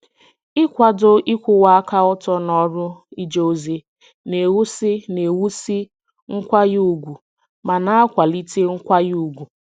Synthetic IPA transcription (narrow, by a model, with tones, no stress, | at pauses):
ɪ˦kʷa˨do˦ʔi˦kʷʊ˨wa˦a˦ka˦ɔ˦tɔ˦nɔ˦ɾʊ˦i˦d͡ʒo˦o˦ze˦ | ne˨wu˦sɪ˦ne˨wu˦si˦ | ŋ̩˦kʷa˦ɣu˦˨ɡʷu˨ | ma˨na˦a˦kʷa˨li˦te˦ŋ̩˦kʷa˦juu˦˨ɡʷu˨